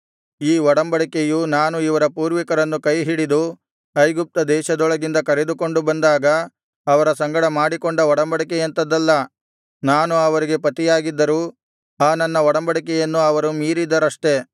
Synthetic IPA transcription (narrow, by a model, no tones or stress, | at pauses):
iːʋɔɽɐmbɐɽikejunaːnuiʋɐɾɐpuːɾʋikɐɾɐnːukɐjɦiɽid̪u | ɐjɡup̚t̪ɐd̪ɛːʃɐd̪ɔɭɐɡind̪ɐkɐɾe̞d̪uko̞ɳɖubɐnd̪aːɡɐː | ʋɐɾɐsɐŋɡɐɽɐmaːɽikoɳɖɐɔɽɐmbɐɽikɛjɐnt̪ɐd̪ɐlːɐ | naːnuɐʋɐɾiɡe̞pɐt̪ijaːɡid̪ːɐɾuː | aːnɐnːɐʋɔɽɐmbɐɽikɛjɐnːuɐʋɐɾumiːɾid̪ːɐɾɐʂʈe̞